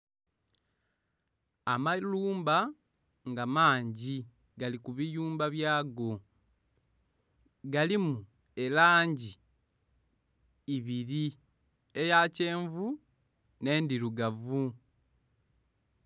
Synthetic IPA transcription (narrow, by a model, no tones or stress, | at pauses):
amaluːmba | ŋɡamaːɲɟi | ɡalikuβijuːmbaβjaːɡo̞ | ɡalimu | e̞laːɲɟi | βiɾi | e̞jace̞ːɱvu | ne̞ːndiɾuɡavu